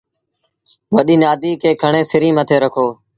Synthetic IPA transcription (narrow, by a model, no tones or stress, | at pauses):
ʋəɗiːnaːd̪ʱiːkʰeːkʰəɳeːsɪɾiːmət̪ʰeːɾəkʰoː